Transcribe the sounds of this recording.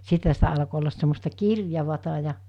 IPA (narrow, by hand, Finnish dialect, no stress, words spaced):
sithæ sitæ ɑlko olːɑs semːostɑ kirjɑʋɑtɑ jɑ